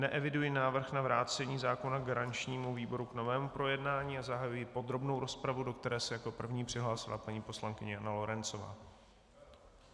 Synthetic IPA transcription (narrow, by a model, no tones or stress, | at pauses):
nɛʔɛvɪdujɪnaːvr̩xnavɾaːt͡sɛɲiːzaːko̞naɡaɾant͡ʃɲiːmuviːbo̞ɾukno̞vɛːmupɾo̞jɛdnaːɲiːazaɦajujɪpo̞d̪ɾo̞bno̞wɾo̞spɾavudo̞k̚t̪ɛɾɛːsɛjako̞pr̩vɲiːpr̝̥ɪɦlaːsɪla̰paɲiːpo̞slaŋkɪɲɛjanalo̞ɾɛnt͡so̞va̰ː